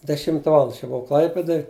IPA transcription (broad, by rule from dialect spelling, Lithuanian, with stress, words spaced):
dʲɛˈʃʲɪmtɐ ˈʋɑːlˠɐndɐ ɐʃ jɛʊ bʊˈʋɐʊ ˈklˠɐɪpʲeːdoːj